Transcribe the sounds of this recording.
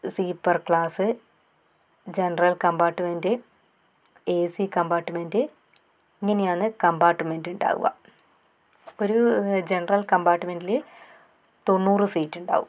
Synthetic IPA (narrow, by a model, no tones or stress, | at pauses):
siːpːɐrkɭaːsɨ | d͡ʑenɐrɐlkɐmbaːʈːɨmendɨ | eːsikɐmbaːʈːɨmendɨ | iŋːɐne̞jaːnɨkɐmbaːʈːɨme̞nduɳɖa̰ːɣṵɣɐ̰ | o̞ɾud͡ʑenɐrɐlkɐmbaːʈːɨme̞ndile | t̪o̞nːuːrɨsiːtːuɳɖa̰ːɣṵm